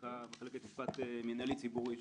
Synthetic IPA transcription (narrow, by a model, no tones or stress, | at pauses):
kameχeleket̪ispat̪eminalit͡sibuʁi